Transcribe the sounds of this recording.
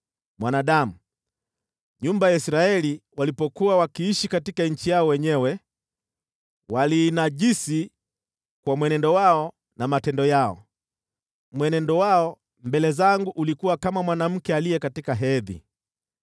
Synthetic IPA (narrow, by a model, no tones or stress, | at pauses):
mwanaɗamu | ɲumbajaisɾaɛliwalipɔkuawakiiʃikatikaɲ̩t͡ʃijaɔwɛɲɛwɛ | walinaʄisi | kwamwɛnɛndɔwaɔ | namatɛndɔjaɔ̰ | mwɛnɛndɔwaɔ | mbɛlɛzaŋɡuʔulikuwakamamwanam̩kɛalijɛkatikaɦɛðḭ